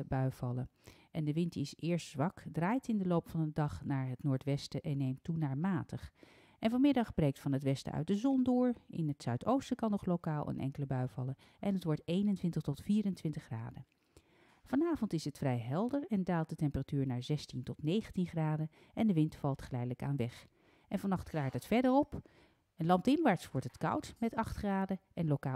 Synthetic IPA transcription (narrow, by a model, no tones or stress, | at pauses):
bœɥv̥ɑləʔɛndəʋɪntɪsɪːɹstzʋɑkdraːjtɪndəlowpfɑndədɑχnaːɹɦətnʊːɹtʋɛstəʔɛnːejmtunaːɹmaːtəχ | ʔɛnvɑnmɪdɑχb̥rejk̚tfɑnɦətʋɛstə̰œ̰ɥt̚dəzɔndʊːɹɪ̰nɦətsœɥtowstəkɑnːɔχlowkaːlˠʔə̰nʔɛ̰ŋkələbœɥv̥ɑ̰lə | ʔɛnɦətʋɔɹtejnəntʋɪntəχtɔtfiːrəntʋɪntəχra̰ːdə | v̥ɑnaːvɔntɪsətfrɛjɦɛlˠdəɹɛndaːlˠt̚dətɛmpəratyːɹnaːɹzɛstintɔtnejχəntinχraːdə | ʔɛndəʋɪntfɑlˠtχəlɛjdələka̰ːnʋɛχ | ʔɛnvɑnɑχtkraːɹtɦətfɛɹdəɹɔp | ənlɑm̚dɪmʋaːɹtsʋɔɹtɦətkɑ̰wtmɛtɑχtχraːdəʔɛnlokaː